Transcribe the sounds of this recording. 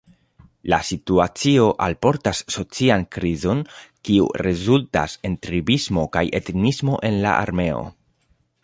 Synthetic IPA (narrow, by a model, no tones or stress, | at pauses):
lasituat͡sio̞ʔalpo̞ɾtasːo̞t͡siankɾizo̞nkiṵɾezulta̰se̞ntɾibismo̞kajetnismo̞ʔe̞nla̰ʔa̰ɾme̞o̞̰